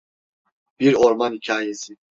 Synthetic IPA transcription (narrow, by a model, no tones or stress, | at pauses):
b̥iɾɔɾmanhicʰaːjɛsi